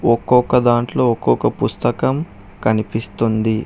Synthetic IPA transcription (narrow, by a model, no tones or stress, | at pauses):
ɔkːɔkːɐd̪aːɳʈlo̞ːɔkːɔkɐpust̪ɐkɐm | kɐnipist̪und̪i